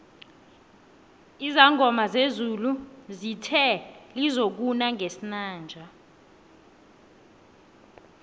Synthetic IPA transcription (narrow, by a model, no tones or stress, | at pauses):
izaŋʱɔmazezuluzitʰɛlizok̬unaŋʱesinaːnd͡ʒʱa